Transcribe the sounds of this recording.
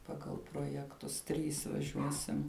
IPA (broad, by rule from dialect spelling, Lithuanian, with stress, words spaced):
ˈpɑːɡɐlˠ proːjɛkˈtʊs ˈtʲrʲiːs ʋɐˈʒʲuɔsʲɪm